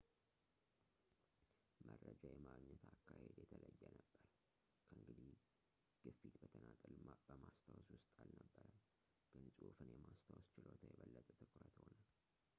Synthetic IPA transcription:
mərːəd͡ʒajɛmaɡɲət̪ʰakːahed̪jɛt̪ʰələjːɛnəbːəɾ | kʰəɨŋɡɨd̪i | ɡ̥ɨfit̪bət̪ʰənat̪ʼɨlbəmast̪ʰawswʊst̪ʼalnəbːəɾə | ɡ̥ɨnsʼufɨnjɛmast̪ʰawst͡ʃɪlot̪ʰajɛβəlːət̪ʼət̪ʰɨkʰʼɾət̪honal

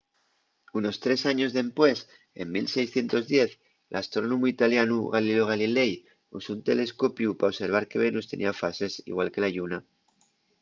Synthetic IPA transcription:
uno̞st̪ɾe̞saɲo̞zðe̞mpwe̞s | e̞̰mmilse̞jsθje̞nt̪o̞zðje̞θ | lʔast̪ɾonomuit̪aljanuɣaliloɣ̞alile̞j | usount̪e̞̰le̞sko̞pjupaose̞ɾβ̞aɾke̞βe̞nust̪e̞nḭafase̞sḭɣwalke̞laʝuna

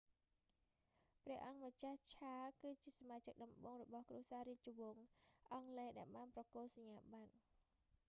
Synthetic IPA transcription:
prɛ̆əhʔɑŋmət͡ɕaht͡ɕʰaːkɨːt͡ɕiəsamaːt͡ɕək̚ɗɑmɓoːŋrɔɓɑhkruəsaːɾiəc̚t͡ɕoʋoːŋʔɑŋlɛːɗaɛlɓaːnprɑkoːl̚saɲːaːɓat̪̚

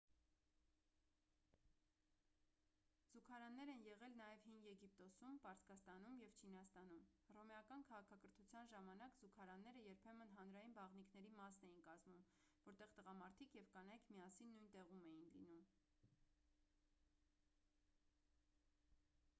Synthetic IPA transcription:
z̥ukʰɑɾɑnːɛɾɛnjɛʁɛlnɑjɛvhinɡjɛɡipt̪ɔsumpɑɾt͡sʰkɑst̪ɑn̪umjɛvt͡ʃʰinɑst̪ɑnumrɔmɛɑkɑnkʰɑʁɑkʰɑkəɾt̪ʰut͡sʰjɑnʒɑmɑnɑkzukʰɑɾɑnːɛɾəjɛɾpʰɛmənɦɑn̪ɾɑjinbɑʁnikʰnɛɾimɑsnɛjinkɑzmum | vɔɾt̪ɛʁt̪əʁɑmɑɾt̪ʰikʰjɛvkɑnɑjkʰmiɑsinːujnt̪ɛʁumɛjinlḭnum

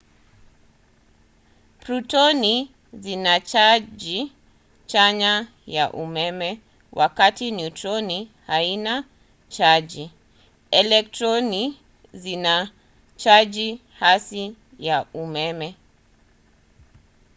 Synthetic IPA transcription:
pɾutɔni | zinat͡ʃaʄi | t͡ʃaɲa | jaʔumɛmɛ | wʔakatiniutɾɔnihaina | t͡ʃaʄi | ɛlɛk̚tɾɔni | zina | t͡ʃaʄi | hasi | jaumɛmɛ

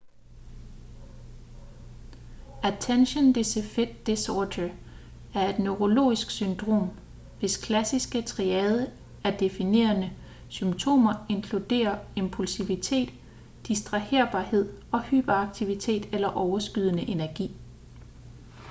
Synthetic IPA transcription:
æt͡sʰenɕənd̥esefed̥d̥esɒːdə | æɐe̝d̥nøʁo̝lo̝̰ːisɡ̥synd̥ʁo̝̰ːm | ʋe̝skʰlæsisɡ̥ət͡sʰʁiɛːð̞ˠə | æɐd̥e̝fine̝̰ːɐnə | symt͡sʰo̝̰ːmɐe̝nkʰlud̥e̝̰ːɐe̝mpʰulsiʋit͡sʰe̝̰ːd̥ː | isd̥ʁɑ̈he̝ɐ̰b̥ɑ̰̈ːhe̝ð̞̰ˠɒ̽hyːb̥ɐɑ̈ɡ̥̚t͡sʰiʋit͡sʰe̝̰ːd̥elɐʔɒʊɐsɡ̥yð̞ˠnəʔe̝næɐɡ̥ḭː

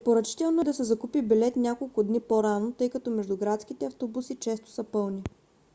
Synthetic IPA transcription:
pɛpoɾət͡ʃi̥t̪ɛlˠnod̪ɐsɛzɐkupibilɛt̪nʲakolˠkʊd̪nipoɾanot̪ɤjkɐt̪ɔmɛʒd̪ʊɡɾat̪skit̪ɛɐft̪obusit͡ʃɛst̪o̥sɐpɤlˠni

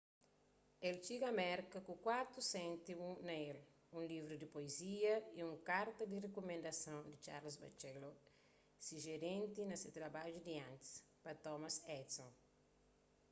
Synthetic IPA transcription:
elt͡ʃiɡɐmɛɾkɐkukwaɾt̪usẽnt̪ibunɐel | ũlivɾud̪ipoeziɐiũŋkaɾt̪ɐd̪irekomẽnd̪ɐsɐ̃wd̪it͡ʃa̰ɾlɐzbɐ̰t͡ʃɛlo | siʒeɾẽnt̪inɐset̪ɾɐbaʒud̪iãnt̪i̥s | pɐt̪ɔmɐsɛt̪sõn

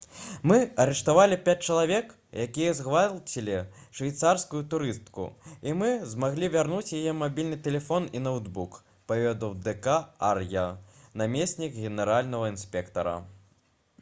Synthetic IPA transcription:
mɨɐɾɛʂt̪avalʲipʲat͡s̚ʲt͡ʂɐlˠavʲɛk | jakʲijɐzɣvalʲt͡sʲilʲiʂvʲajt̪sarskujut̪uɾɨst̪kṵimɨzmaɣlʲivʲarnut͡sʲjajɛmabʲilʲnɨt̪ɛlʲɛfɔninɐwd̪buk | pavʲɛd̪ɐwd̪ɛkaarjɐnamʲesʲnʲikɣʲɛnɛɾalʲnɐɣɐinsʲpʲɛkt̪ɐɾɐ̰

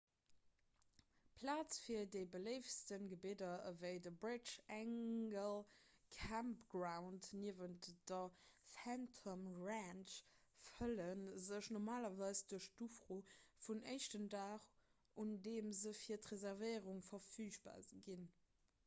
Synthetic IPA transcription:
pʰlaːt͡sfiːɐdəɪbəleɪfstənɡəbidɐvəɪdəbɹɪt͡ʃæŋɡəlkʰampɡʁaʊntniəvəntd̥ɐθæntʰomʁanʃfələnzəʃnɔʁmaːlɐvaɪsd̥uəʃtufʁoːfunʔəɪʃtəndaːχ | undeːmzəfiːɐtʁezɛʁvəɪʁuŋfɐfyːʃba̰ːziɡin

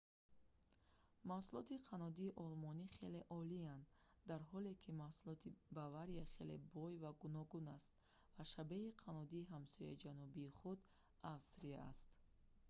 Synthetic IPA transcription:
mahsulɔt̪iqʰanɔd̪iːʔɔlmɔniχe̞le̞ʔɔliand̪ | d̪aɾɦɔle̞kʰimahsulɔt̪ʰibavaɾiaχe̞le̞bɔjvaɡunɔɡunast̪̚ | vaʃabeiqʰanɔd̪iːɦamsɔja̰id͡ʒanubiːχud̪ | avst̪ɾiaa̰st̪

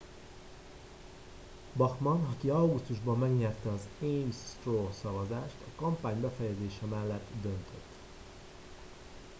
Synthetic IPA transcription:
bɒxmɒnɒkiɒwɡust̪uʒbɒmːɛɡɲɛrt̪ɛɒzejmsːt̪roːsɒvɒzaːʃt̪ɒkɒmpaːɲbɛfɛjɛzeːʃɛmɛlːɛt̪ːd̪ønt̪ʰøt̪ː

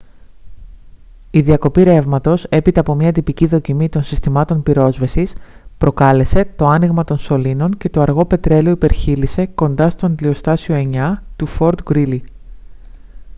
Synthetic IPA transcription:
iðiɐko̞piɾe̞vmɐt̪o̞se̞pit̪ɐːpo̞mɲɐt̪ipiciðo̞cimit̪o̞nsist̪imɐt̪o̞npiɾo̞zvɐsis | pɾo̞kɐle̞se̞t̪o̞ɐniɣmɐt̪o̞nso̞lino̞nce̞t̪o̞ɐɾɣo̞pe̞t̪ɾe̞lioipe̞ɾçilise̞ko̞nd̪ɐst̪o̞nd̪lio̞st̪ɐsio̞e̞ɲɐt̪ufo̞ɾd̪ɡɾili

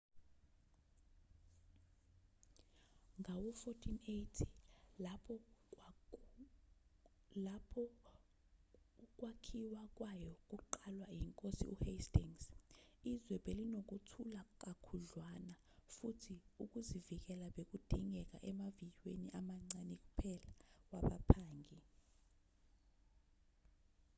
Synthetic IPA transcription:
ŋawɔfotʰinejtʰi̥apʰɔ | lapʰɔ | k̬ʼwakʰiwak̬ʼwajɔk̬ʼuǃalwajiŋkʼosḭʔṵhestiŋsizwɛb̥ʱelinok̬utʰulak̬ʼakʰuɮwana | futʰiuk̬ʼuzivik̬ɛlaɓek̬ʼud̥ʱiŋʱɛk̬a̰ʔɛmavijweniʔamaŋ͡ǀanik̬ʼupʰɛlawaɓapʰaːŋɡi

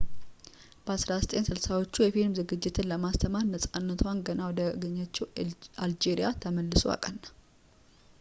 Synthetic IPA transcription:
b̥əasɾasɨt̪ʼe̞nsɨlsawo̞t͡ʃːujɛfilmzɨɡɨd͡ʒːɪt̪ʰɨnləmast̪ʰəmaɾnəsʼanːət̪ʰwanɡənawɔd̪əɡəɲːat͡ʃːɛwʔald͡ʒeɾijat̪ʰəməlːɨsua̰kʼənː

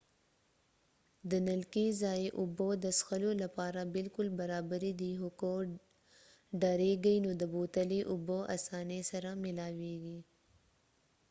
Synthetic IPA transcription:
d̪ənɐlkizaːjeʔʊbod̪əsxəlolapɑːɾabɪlkʊlbɐɾaːbəɾid̪iɦʊko | ɖaɾeɡəjnod̪əboːt̪əliʔʊboʔa̰sɑːnesɐɾamɪlaːweɡi

